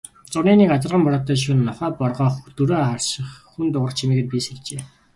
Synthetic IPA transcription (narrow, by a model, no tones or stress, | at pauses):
t͡sʊniːnikat͡sə̆rʁə̆mpɔɾɔ̆t̪ːœːʃ̬unːɔχæːpɔrʁœːχt̪uɾoːχarʃɪ̆χxunt̪ʊʁə̆rt͡ɕʰimiːɡɘ̆t̪̚pʲiseɮt͡ɕeː